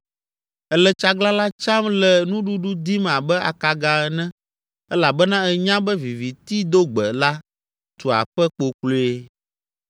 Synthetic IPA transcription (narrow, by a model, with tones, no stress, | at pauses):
ɛ˦lɛ˨t͡ʃa˦ɡla˦la˦t͡ʃa˦mlɛ˨nũ˦ɖu˦ɖu˦d̪i˦m˨ã˨bɛ˦a̰˨ka˨ɡa˨ɛ˦˨nɛ̃˦ | ɛ˦la˨bɛ˦nã˦ɛ˨ɲã˦bɛ˦vi˨vi˨t̪i˦d̪o˦ɡ͡bɛ˨la˦ | t̪u˨a̰˨ɸɛ˦k͡po˨klo˦e˦